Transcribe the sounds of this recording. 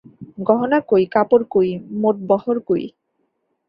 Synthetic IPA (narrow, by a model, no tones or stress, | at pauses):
ɡɔɦonakojkapoɾkojmoʈ̚bɔhoɾkoj̰